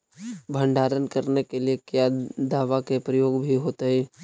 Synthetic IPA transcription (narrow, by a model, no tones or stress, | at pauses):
bʱə̃ɳɖʱaːɾənkɐɾnekeliekjad̪aːʋakepɾəjoːɡbʱiɦoːt̪eɦɛː